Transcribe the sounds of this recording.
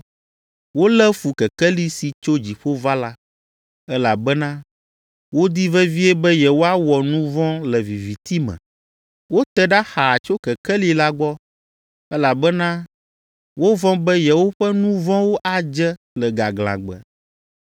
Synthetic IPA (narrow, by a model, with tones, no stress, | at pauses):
wo˦lɛ˦fu˨kɛ˨kɛ˦li˦si˨t͡ʃo˦d͡ʑi˨ɸo˦va˦la˦ | ɛ˦la˨bɛ˦nã˦ | wo˦d̪i˦vɛ˦vi˦ɛ˦bɛ˦jɛ˨wo˦a˦wɔ˨nũ˦vɔ̃˦lɛ˨vi˨vi˨t̪i˦mɛ̰̃˨ | wo˦t̪ɛ˨ɖa˦xa˨t͡ʃo˦kɛ˨kɛ˦li˦la˦ɡ͡bɔ˦ | ɛ˦la˨bɛ˦nã˦ | wo˦vɔ̃˦bɛ˦jɛ˨wo˦ɸɛ˦nũ˦vɔ̃˦wo˦ʔa˨d͡ʒɛ˦ | lɛ˨ɡa˨ɡlã̰˨ɡ͡bɛ̰˨